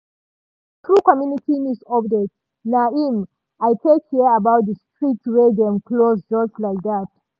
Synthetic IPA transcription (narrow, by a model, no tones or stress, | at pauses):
θɹukɔmjunitʰĩnisɔpdet | naim | ajtʰekhiabaʊt̚dəstɹitɹedɛ̃mkʰlosd͡ʒʌstlaɪk̚ðat̚